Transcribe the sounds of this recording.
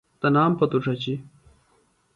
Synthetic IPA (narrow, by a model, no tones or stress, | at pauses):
t̪ɐnaːmpɐt̪uʈ͡ʂɐt͡ɕi